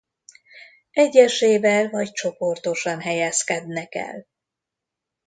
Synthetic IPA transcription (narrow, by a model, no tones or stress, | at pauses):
ɛɟːɛʃeːvɛlvɒct͡ʃo̞po̞rt̪o̞ʃɒnɦɛjɛskɛd̪nɛkɛ̰l